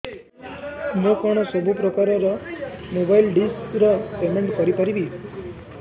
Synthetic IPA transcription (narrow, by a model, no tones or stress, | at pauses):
mokɔɽ̃ɔsɔbʱupɾɔkaɾɔɾɔmobailɖinskɾɔpemẽɳʈkʌɾipəɾibi